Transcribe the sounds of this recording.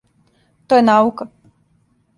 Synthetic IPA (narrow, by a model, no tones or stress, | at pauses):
t̪ojɛnauka